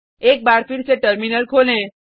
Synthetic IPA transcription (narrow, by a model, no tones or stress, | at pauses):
ek̚baɾpiɽseʈəɾminəlkʰolẽ